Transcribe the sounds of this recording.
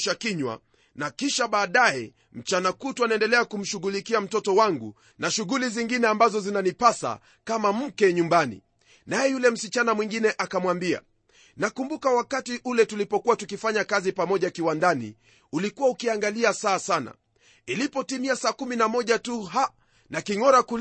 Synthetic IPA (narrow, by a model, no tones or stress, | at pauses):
ʃakiɲwa̰ | nakiʃaɓaːɗajɛ̰ | m̩t͡ʃanakuːtuwanaɛndɛlɛakum̩ʃuɣulikiam̩tɔtɔwaŋɡu | naʃuɣuliziŋɡinɛambazɔzinanipasa̰ | kamam̩kɛɲumbanḭ | najɛjulɛm̩sit͡ʃanamwiŋɡinɛʔakamwambia̰ | nakumbukawakatiʔulɛtulipɔkuwatukifaɲakazipamɔʄakiwandanḭ | ulikuwaukiaŋɡaliasaːsana̰ | ilipɔtimiasaːkuminamɔʄatuɦa | nakiŋɔɾakul